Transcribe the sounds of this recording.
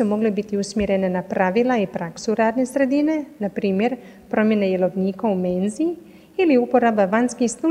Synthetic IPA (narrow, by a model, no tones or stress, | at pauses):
umo̞ɡlebit̪iusmjeɾe̞nenapɾaʋilˠaipɾaksuɾaːd̪ne̞sɾe̞d̪ine̞napɾiːmje̞ɾ | pɾo̞mje̞ne̞je̞lo̞ʋniːkaume̞ːnzii | iliupo̞ɾabaʋanskixst̪u